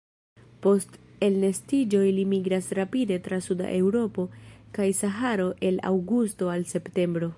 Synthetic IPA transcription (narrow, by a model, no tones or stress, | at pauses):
po̞ste̞lnestid͡ʒo̞jlimiɡɾasɾapide̞tɾasuda̰ʔe̞wɾo̞po̞kajsaɦaɾo̞ʔe̞la̰wɡusto̞alse̞pte̞mbɾo̞